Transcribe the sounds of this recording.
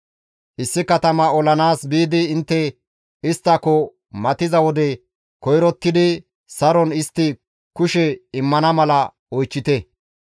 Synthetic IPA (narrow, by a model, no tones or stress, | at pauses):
ʔɪsːɪkɐt̪ɐmɐɔlɐnaːsbiːd̪ɪːnt̪ːɛ | ɪst̪ːɐkɔ | mɐt̪ɪzɐwɔd̪ɛ | kɔjɾɔt̪ːɪd̪ɪ | sɐɾɔnɪst̪ːɪ | kʊʃɛɪmːɐnɐmɐlɐ | ɔjt͡ʃːɪt̪ɛ